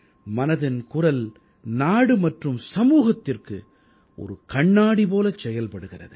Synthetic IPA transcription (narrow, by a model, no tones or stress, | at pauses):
mɐnɐðɪnkʊrɐl | naːɽɯmɐʈrɯmsɐmuːɣɐt̪ːɪrkɯ̰ | ʔɔ̰ɾɯkɐɳːaːɽipoːlɐt͡ʃːɛjɐlpɐɽɯɣɪrɐ̰ðɯ